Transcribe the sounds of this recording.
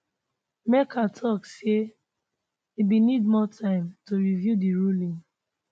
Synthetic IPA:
mɛkʰatʰɔkse | ibinidmɔtʰãɪ̃mtoɹivjudiɹulĩŋ

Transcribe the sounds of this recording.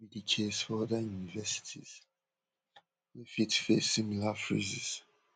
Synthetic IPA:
idikʰesfɔɔðajunivɛsi̥tʰḭz̥ | wefitfesimilafɹḭziz̥

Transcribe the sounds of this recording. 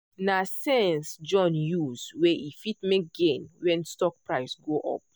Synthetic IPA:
nasɛnsd͡ʒɔ̃njusweʔifitmek̚ɡẽnwɛ̃nstɔk̚pɹaɪsɡoʔɔ̰p̚

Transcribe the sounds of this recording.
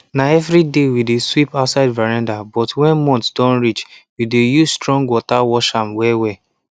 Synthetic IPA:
naɛvɹidewideswipaʊtsaɪdvaɹãndabɔtwɛ̃nmɔ̃ntd̥ɔ̃nɹit͡ʃwidejuzstɹɔ̃ŋɡwɔtawɔʃãmwɛwɛ

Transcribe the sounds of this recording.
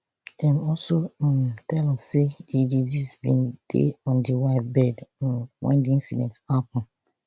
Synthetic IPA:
d̥ɛ̃mɔlsofɛlɔseididisbĩnd̥ḛɔ̃ndiwaɪtbɛdwʔɛ̰̃ndiĩnsidɛ̰̃ntapɔ̃n̩

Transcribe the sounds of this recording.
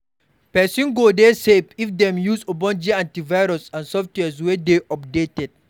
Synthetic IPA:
pɛsĩnɡodesepifdɛ̃mjusobɔ̃nd͡ʒiãntivajɾɔsãnsɔftwɛs̬wɛdeʔɔp̚detɛd̚

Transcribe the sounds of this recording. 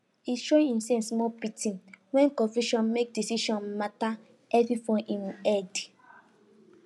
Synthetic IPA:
iʃɔ̃ĩĩnsɛ̃nsmɔpitʰĩnwɛ̃nkɔ̃viʃɔ̃nmek̚disiʃɔ̃nmata | ʔɛvifɔ̃ʔĩnɛd

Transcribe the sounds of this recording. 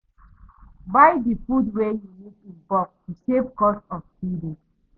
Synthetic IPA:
baɪdifudwejumutĩnbɔk̚juʃevkɔsɔfsidu

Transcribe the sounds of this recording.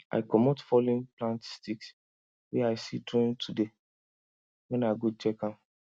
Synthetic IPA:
ʔa̰ɪkɔmotfɔlĩnplãntstiks | wɛaɪsitɾõntʰude | wɛ̃naɪɡot͡ʃɛkãm

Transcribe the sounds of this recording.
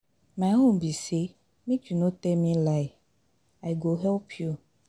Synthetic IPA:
maɪɦõmbise | mĩd͡ʒunotɛmĩlaɪ | aɪɡoɦɛlpʰju

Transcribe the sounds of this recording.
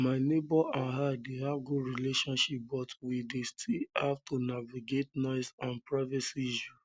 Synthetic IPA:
maɪnebɔʔãnɦadehaɡuɾileʃɔ̃nʃip̚bɔtwidestʰihavtunaviɡetnɔɪsãnpɹaɪvɛsiʒu

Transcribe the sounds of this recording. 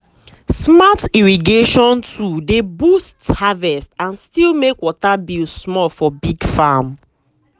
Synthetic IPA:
smatiɹiɡeʃɔ̃ntʰudebusthavɛstãnstilmekwɔtabilsmɔlfɔbiɡfam

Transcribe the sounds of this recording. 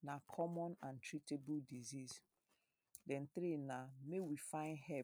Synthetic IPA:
nakʰɔmɔ̃nãntɹɾitebuldizis | dɛ̃nt̪ɾenamewifãɪ̃ndhɛ

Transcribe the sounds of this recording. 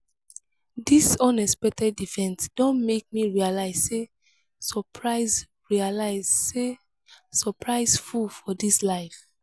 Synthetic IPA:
disɔ̃nɛspɛk̚tʰɛdifɛ̃ntd̥ɔ̃ntmek̚miɹialaɪz̥se | sɔpʰɹaɪz | ɹialaɪz̥se | sɔpʰɹaɪz̥fulfɔdislaɪf

